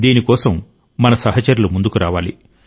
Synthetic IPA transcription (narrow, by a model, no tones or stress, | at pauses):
d̪iːnikɔːsɐmː | ɐnɐsɐɦɐt͡ʃɐɾulumund̪ukuɾaːʋaːlḭ